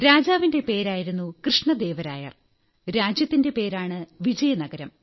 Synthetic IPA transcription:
ɾaːd͡ʑaːʋinde̞pe̞ːɾaːjiɾunːukrɨʂɳɐd̪e̞ːʋɐɾaːjɐ̰ | ɾaːd͡ʑjɐt̪ːinde̞pe̞ːɾaːɳɨʋid͡ʑɐjɐnɐɡɐɾɐm

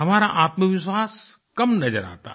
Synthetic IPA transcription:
ɦɐmaːɾaʔaːt̪məʋɪʃwaːskɐmnɐd͡ʒəɾa̰ːt̪a̰

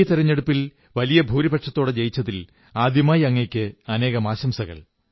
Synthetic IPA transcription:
t̪iɾɐɲːe̞ɽupːil | ʋɐlijɐbʱuːɾibɐʈʂɐt̪ːo̞ːɽed͡ʑejit͡ɕːɐt̪ːil | aːd̪jɐmaːjɐŋːekʲːɨɐne̞ːɣɐmaːɕɐmsɐɣɐ̰ɭ

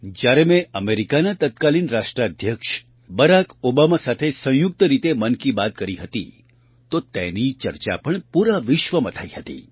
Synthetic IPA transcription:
d͡ʒjaɾemẽəmeɾikanat̪ət̪kalinɾaʂʈɾad̪ʱjəkʃ | bəɾakobamasat̪ʰesə̃jʊk̚t̪əɾit̪emənkibat̪̚kəɾiɦət̪i | t̪ot̪enit͡ʃəɾt͡ʃa̰pəɳpuɾaʋɪʃʋəmət̪ʰaiɦət̪ḭ

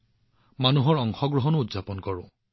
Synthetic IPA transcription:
manuɦɔɹɔŋxɔɡɹɔɦɔnʊudzapɔnkɔɹʊ̃

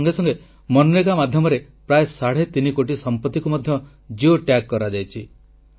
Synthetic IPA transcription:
ŋɡesɔŋɡe | mɔnunekamad̪ʱjɔmɔɾe | pɾaesaɽ̤et̪inikoʈisɔmpɔt̪ːikumɔd̪ʱjɔ | d͡ʒioʈjakːɔɾad͡ʒajt͡ʃʰi

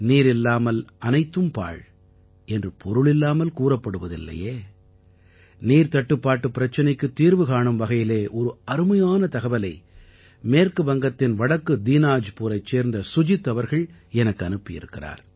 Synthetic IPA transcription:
niːɾɪlːaːmɐlʔɐnɐɪt̪ːɯmpa̰ːɭ | ɛndrɯpʰɔɾɯɭɪlːaːmɐlkuːrɐpːɐɽɯʋɐðɪ̰lːɐ̰jeː | niːɾt̪ɐʈːɯpːaːʈːɯpːɪɾɐt͡ʃːɐnɐɪkːɯt̪ːiːɾʋɯkaːɳɯmʋɐɣɐjɪleːʔɔɾɯɐɾɯmɐjaːnɐt̪ɐɣɐʋɐlɐɪ | meːrkɯʋɐŋɡɐt̪ːɪnʋɐɽɐkːɯd̪iːnaːd͡ʒpuːɾɐɪt͡ʃːeːɾnd̪ɐsʊd͡ʒɪt̪ːɐʋɐɾɣɐɭɛnɐkːɯɐnɯpːɪjɪ̰ɾɯkːɪra̰ːɾ

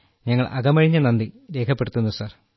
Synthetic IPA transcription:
ɲɐŋːɐɭʔɐ̰ɡɐmɐɻiɲːɐnɐnd̪iɾe̞ːkʰɐpːe̞ɽut̪ːunːusaːr

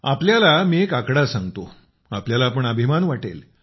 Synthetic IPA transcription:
a̰pljalamiːekakɽasãŋɡt̪o | apljalaːp̬əɳabʱimanʋaʈḛl

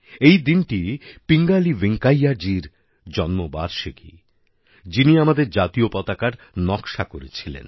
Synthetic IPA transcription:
ejd̪inʈipiŋɡaliʋeŋkajaɾd͡ʑiɾ | d͡ʑɔnmoba̰ɾʃeɡḭ | d͡ʑiniamad̪eɾd͡ʑat̪iopɔt̪akaɾ | nɔkʃakoɾet͡ɕʰilḛn

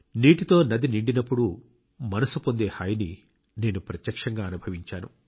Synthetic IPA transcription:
niːʈit̪o̞ːnɐd̪iniɳɖinɐpːuɽu | mɐnɐsupo̞nd̪e̞ːhaːjɐni | ne̞ːnupɾɐt̪jɐkʂɐŋɡaːɐnubʱɐʋiɲt͡ʃaːnu

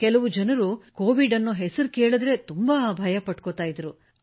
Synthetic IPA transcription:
kɛlɐʋud͡ʒɐnɐɾukoːʋiɖɐnːuɦɛsɐɾukeːɭɐd̪ɾe̞t̪umbaːbʱɐjɐpɐʈkot̪aːjid̪ɐɾu

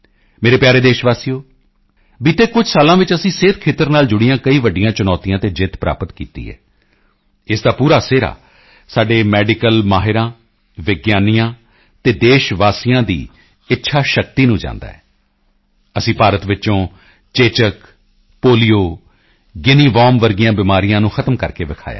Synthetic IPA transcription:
meːɾeːpjaːɾeːd̪eːʃʋaːsijoː | biːt̪eːkʊd͡ʒʱsaːlãːʋɪt͡ʃəsĩːseːt̪kʰeːt̪əɾnaːld͡ʒʊɽɪjãːkəiːʋəɖɪjãːt͡ʃʊnɔːt̪ijãːt̪eːd͡ʒɪt̪pɾa̰ːpət̪kḭːt̪ḭːɛ̰ː | ɪsd̪aːpuːɾaːseːɾa̰ː | saːɖeːmɛːɖɪkəlmaːɦɪɾãː | ʋɪɡjaːnijãː | t̪eːd̪eːʃʋaːsɪjãːd̪ḭː | ɪtːʃʰaːʃək̚t̪iːnũːd͡ʒã̰ːnd̪a̰ːɦɛː | əsĩːpaːɾət̪ʋɪt͡ʃõː | t͡ʃeːt͡ʃək | poːlijoː | ɡɪniːʋɔːmʋəɾɡɪjãːbɪmaːɾɪjãːnũːxʰət̪əmkəɾkeːʋɪkʰa̰ːja̰ː

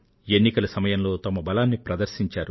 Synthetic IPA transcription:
e̞nːikɐlɐsɐmɐjɐmlo̞ːt̪ɐmɐbɐlaːnːipɾɐd̪ɐɾʃiɲt͡ʃaːɾu

